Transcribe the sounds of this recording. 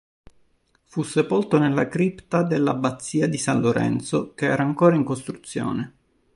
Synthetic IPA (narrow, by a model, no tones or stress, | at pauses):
fusːepolt̪onelːakɾipt̪ad̪elːabat̪sːiːad̪isanloɾɛ̰nt̪sokeɛ̰ːɾaːŋkoːɾaiŋkost̪ɾut̪sːjo̰ːne